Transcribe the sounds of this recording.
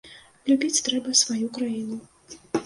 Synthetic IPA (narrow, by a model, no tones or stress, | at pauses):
lʲubʲit͡sʲt̪ɾɛbɐsvajukɾajinu